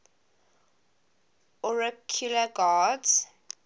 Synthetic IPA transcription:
ɔɹɛkʰjulaɡadz

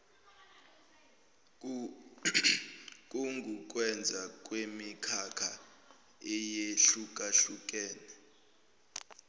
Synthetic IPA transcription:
k̬ʼuŋɡʱuk̬ʼwɛnd͡zʱak̬ʼwemikʰakʰa | ɛjeɬuk̬ʼaɬuk̬ʼɛːnɛ

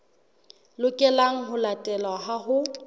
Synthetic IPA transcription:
lʊkʼɛlaŋ̩ɦʊlatʼɛlwaɦaɦʊ

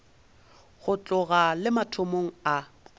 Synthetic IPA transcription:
ɣʊt͡ɬʼʊɣalɪmatʰomoŋ̩a

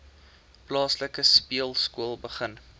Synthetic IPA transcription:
plɑːsləkəspiəlˠskuəlˠbəχən

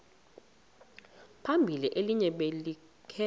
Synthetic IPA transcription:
pʰambʱiliʔeliɲɛɓeli | kʰɛ

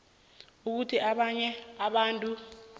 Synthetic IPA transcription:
uk̬utʰiʔaɓaɲɛaɓaːntʼu

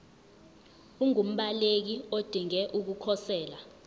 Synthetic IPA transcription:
uŋum̩ɓalek̬iod̥ʱiŋɛʔuk̬ukʰɔsɛːla

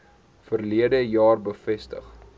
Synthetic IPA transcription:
fərliədəjɑːrbəfɛstə̰χ

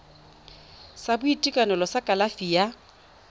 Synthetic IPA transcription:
sabʊitʼikʼanɔlɔsakʼalafija

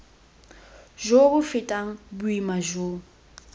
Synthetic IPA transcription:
ʒobʊfɪtʼaŋ̩bʊimaʒoːŋ̩

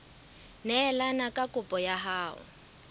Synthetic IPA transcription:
nɛlanakʼakʼʊpʼɔjaɦaːʊ̰

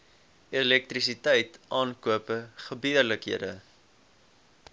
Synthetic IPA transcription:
ɛlɛk̚trisitɛjtʔɑːnkuəpəχəbiərləkɦiədə

